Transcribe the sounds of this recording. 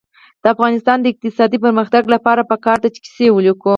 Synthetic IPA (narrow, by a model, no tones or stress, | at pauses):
d̪̥əafɣɑnɪst̪ɑnd̪əɪq̚t̪ɪsɑd̪ip̬əɾməxt̪aɡlapɑɾapəkɑɾd̪at͡ʃe̥ki̥sewəliko